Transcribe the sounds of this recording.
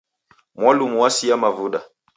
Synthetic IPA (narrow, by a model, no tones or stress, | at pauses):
mwalumuwasiamavuɗa